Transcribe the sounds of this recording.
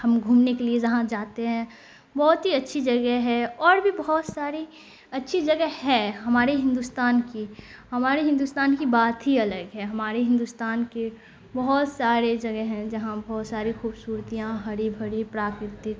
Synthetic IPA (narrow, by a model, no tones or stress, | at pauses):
hɐmɡʱuːmnekelied͡ʒɐɦãd͡ʒaːt̪eɦɛ̃ | bɔɦʊt̪ɦiɐtːʃʰid͡ʒɐɡɛɦɛɔːɾbʱibɐɦɔt̪saːɾi | ɐtːʃʰid͡ʒɐɡɛhɛɦɐmaːɾeɦɪ̃nd̪uːst̪aːnkihɐmaːɾeɦɪ̃nd̪ust̪aːnkibaːt̪ɦiɐləɡɦɛɦɐmaːɾeɦɪ̃nd̪uːst̪aːnke | bɐɦʊt̪saːɾed͡ʒɐɡɛɦɛ̃d͡ʒɐɦãbɔɦːt̪saːɾixuːbsuːɾt̪ijãɦɐɽibʱɐɽipɾaːkɾɪt̪ɪk